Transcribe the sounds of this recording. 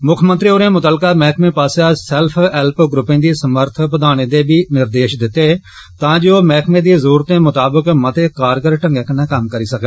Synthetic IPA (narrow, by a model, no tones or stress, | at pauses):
mʊkʰmənt̪ɾioːɾẽːmʊt̪əlkaːmɛːkʰmẽːpaːsaːsɛlpʰɛlpɡɾʊpːẽːd̪iːsəməɾt̪ʰpəd̪aːɽ̃eːd̪eːbiːnɪɾd̪eːʃd̪ɪt̪ːeː | t̪ãːd͡ʒeːoːmɛːkʰmẽːd̪iːzəɾuːɾt̪ẽːmʊt̪aːbəkmət̪eːkaːɾɡəɾʈə̃ŋɡẽːkənẽːkəmkəɾiːsəkː